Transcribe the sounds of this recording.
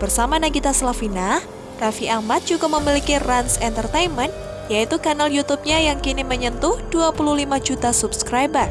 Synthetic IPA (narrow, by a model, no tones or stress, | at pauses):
b̥ərsamanaɡit̪asəlafina | kafiʔahmat̪̚d͡ʒ̥uɡaməmilikiransɛnt̪ərt̪ejnmən | jait̪ukanaljut̪up̚ɲajaŋkiniməɲənt̪ʊhd̥uapuluhlimad͡ʒut̪asupskɾajbər